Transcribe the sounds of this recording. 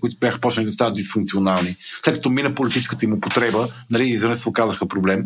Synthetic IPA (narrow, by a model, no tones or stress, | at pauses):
kʊit̪ʊbʲjaxə̥pɔt͡ʃ̪lʲɛnid̪ɐst̪avəd̪isfuŋkt̪sionalˠnifslɛt̪kɐt̪ɔminəpolit̪it͡ʃɛ̥skət̪əimopot̪ɾɛbənɐliizvənɛsokazəxəpɾoblɛm